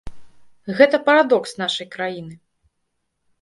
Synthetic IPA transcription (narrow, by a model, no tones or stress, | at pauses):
ɣɛt̪ɐpɐɾad̪ɔksn̪aʂɐjkɾajinɨ